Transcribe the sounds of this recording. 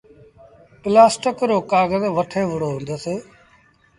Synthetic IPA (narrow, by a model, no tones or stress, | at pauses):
pɪlaːsʈɪkɾoːkaːɣəzʋəʈʰẽːʋəɽoːɦʊ̃ːnd̪eːseː